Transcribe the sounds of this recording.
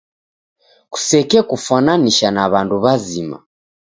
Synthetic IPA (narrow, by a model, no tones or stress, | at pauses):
ku̥sɛkɛkufananiʃanaβanduβazima̰